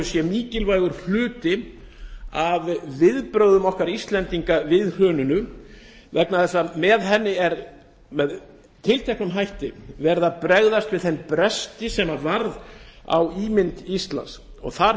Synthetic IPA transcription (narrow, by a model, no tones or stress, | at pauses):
ʏsjɛmiːcɪlvajɣʏɾ̥fl̥ʏːt̪ɪ | avvɪðpɾœɥðʏmɔhkaɾist̪lɛnt̪iŋkavɪðhœːnʏnʏ | vɛknaθɛsːamɛðɦɛnːɪɛɾ | mɛð | t̪ʰɪlt̪ʰɛknʏmɦajht̪ɪvɛɾðapɾɛɣðast̪vɪðθɛnpɾɛst̪ɪsɛmaɾvaɾða̰wiːmɪnt̪ist̪la̰nsɔ̰ɣθa